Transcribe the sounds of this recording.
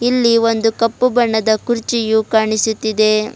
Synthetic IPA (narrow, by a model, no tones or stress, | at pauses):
ilːiʋond̪ukɐpːubɐɳːɐd̪ɐkuɾt͡ʃijukaːɳisut̪ːid̪e̞